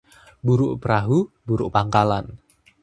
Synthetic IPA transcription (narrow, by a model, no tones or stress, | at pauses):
buɾʊʔpɾaɦubuɾʊʔpaŋkalan